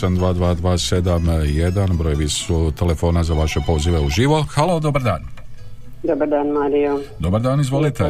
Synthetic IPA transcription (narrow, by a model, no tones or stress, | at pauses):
and̪ʋaːd̪ʋaːd̪ʋaːse̞d̪amjed̪anbɾoːjʋisut̪e̞le̞fo̞ːnazaʋaʃe̞po̞ːziʋe̞uʒiʋo̞xalo̞d̪o̞baɾd̪aːn | d̪obaɾd̪aːnmaːɾijod̪obaɾd̪aːnizʋo̞lit̪e̞